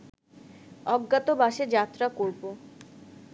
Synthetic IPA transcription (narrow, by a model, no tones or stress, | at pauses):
ɔɡːat̪obaʃed͡ʑat̪ːɾakoɾbo